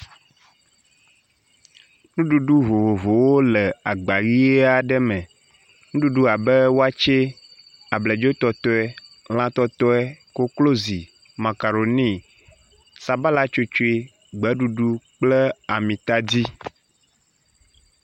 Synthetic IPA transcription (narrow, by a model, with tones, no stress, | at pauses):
nũ˦ɖu˨ɖu˦vo˨vo˨vo˨wo˦lɛ˨a˨ɡ͡ba˨ɣi˦e˦a˨ɖɛ˦mɛ̃˨ | nũ˦ɖu˦ɖu˦a˨bɛ˦wo˦a˦t͡ʃe˦ | a˨blɛ˨d͡ʒo˦t̪ɔ˦t̪ɔ˦ɛ˦ | l̃ã˦t̪ɔ˦t̪ɔ˦ɛ˦ko˦klo˦zi˨ | mã˨ka˨ɾo˨nĩ˦ | sa˨ba˦la˦t͡ʃo˦t͡ʃo˦e˦ | ɡ͡bɛ˨˦ɖu˨ɖu˦k͡plɛ˦a˨mĩ˨t̪a˦di˦